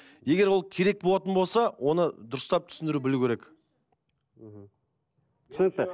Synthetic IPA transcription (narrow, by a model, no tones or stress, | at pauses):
je̞ɡʲe̞ɾwo̞lˠkʲʰe̞ɾe̞k̚bolˠɑt̪ənbo̞lˠsɑwʔo̞nəd̪ʊɾəst̪ɑp̚t̪ʰʏ̥sɪnd̪ɪɾubɪluwkʲʰeɾe̞k | ɦ̩ | t̪ʰʏ̥sɪnɪk̚t̪ːə